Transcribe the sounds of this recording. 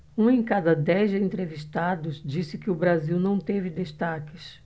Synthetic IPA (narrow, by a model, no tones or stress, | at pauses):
ũẽj̃kad̪ɐd̪ɛzd͡ʒẽnt̪ɾeviʃt̪ad̪ʊzd͡ʒisɪkɪʊbɾaziwnɐ̃w̃t̪evɪd̪eʃt̪akɪs